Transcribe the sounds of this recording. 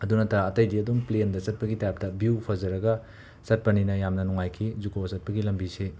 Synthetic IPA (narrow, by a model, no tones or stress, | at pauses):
ɐdunɐtɐɾaːtɐjdiɐduŋplendɐsɐt̚pɐɡitajap̚tɐbjupʰɐzɐɾɐɡɐ | sɐt̚pɐninɐjamnɐnuŋajkʰizukʰoɐsɐt̚pɐɡilɐmbise